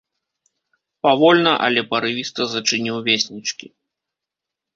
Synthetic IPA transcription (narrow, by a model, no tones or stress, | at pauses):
pavɔlʲnɐʔɐ̰lʲɛpɐɾɨvʲist̪ɐzɐt͡ʂɨnʲiwvʲesʲnʲit͡ʂkʲḭ